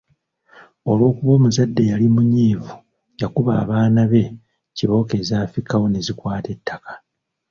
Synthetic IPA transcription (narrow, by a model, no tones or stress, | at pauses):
o̞lwo̞ːkuβo̞ːmuzadːe̞jalimuɲiːvu | jakuβa̰ːβaːnaβe̞ | ciβo̞ːke̞ːzaːfɾikawo̞ne̞zikwaːte̞tːakḁ